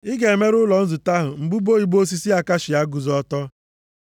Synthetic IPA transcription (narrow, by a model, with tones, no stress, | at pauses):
ɪ˦ɡe˨e˨me˦ɾʊ˦lɔ˨n̩˦zu˨ta˦ɦʊ˨ŋ͡m̩˨ɡ͡bu˦bo˦i˨ɡ͡bo˦s̬i˦si˦a˨ka˦ʃi˨a˦ɡu˨zɔ˦tɔ˦